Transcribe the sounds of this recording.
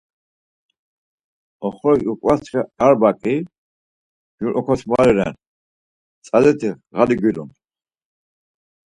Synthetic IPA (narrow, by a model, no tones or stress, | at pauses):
ɔχɔɾukʼwast̪χɛaɾbakʼi | ɡuɾʔɔkʰɔsʰmaɾɛɾɛ̰n | t͡sʼalɛt̪ʰiʁad̪iɡʷiɾṵn